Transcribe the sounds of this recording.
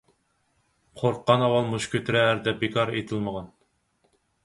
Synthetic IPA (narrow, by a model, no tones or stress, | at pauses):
qʰoɾqːɑnɑwɑlˠmuʃkʲʰøt̪ʰɪɾɛːɾd̪ɛbekʰɑɾet̪ʰɪlˠməʁɑn